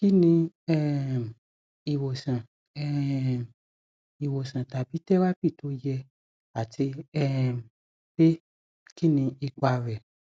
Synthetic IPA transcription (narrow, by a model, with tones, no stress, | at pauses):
ki˦nĩ˧ | ɛ˦m˨ | i˨wo˨sã˨ | ɛ˦˨ | i˨wo˨sã˨ta˨bi˨˦tɛ˦wa˦pi˦˨to˨˦jɛ˧ | a˨tʰi˧ɛ˦˨ | b̥e˦ | ki˦nĩ˧i˧k͡pa˧˨ɾɛ˨